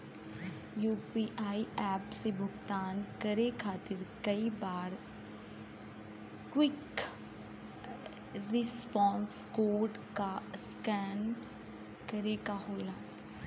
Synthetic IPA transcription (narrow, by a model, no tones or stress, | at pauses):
juːpiːʔaːiɛːpsebʱʊɡt̪aːnkɐɾekʰaːt̪ɪɾkɐibaːɾ | kwɪk | ɾɪspɔ̃ːnskoːɾɖ | kaskɛːn | kɐɾekaɦoːlaː